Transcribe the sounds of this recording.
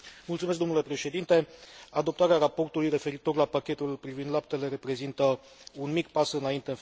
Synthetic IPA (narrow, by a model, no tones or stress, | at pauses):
mult̪sumeskd̪onule̞pɾe̞ʃe̞d̪int̪e̞ad̪o̞p̚t̪aɾeaɾapo̞rt̪ulujre̞fe̞ɾit̪o̞rlapakʲe̞t̪ulpɾivind̪lap̚t̪e̞le̞ɾe̞pɾe̞zint̪ə | unmikpasɨnaint̪e̞ɨn